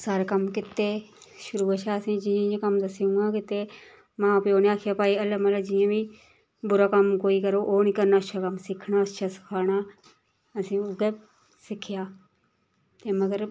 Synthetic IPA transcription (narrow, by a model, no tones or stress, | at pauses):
saːɾkəmkɪt̪ːeː | ʃʊɾuːət͡ʃʰaːəsĩːd͡ʒɪjãːjãːkəmd̪əsiːũːŋɡãːkɪt̪ːeː | mãːpeoːneaːkʰjaːpaːiːələmələd͡ʒɪjãːbĩː | bʊɾaːkəmkoːiːkəɾoːʔoːnĩːkəɾnaːtʃʰaːkəmsɪkʰnaːətʃʰaːsɪ̥kʰaːɽaː | əsĩːʊɡe | sɪkʰɪjaː | t̪eːməɡəɾ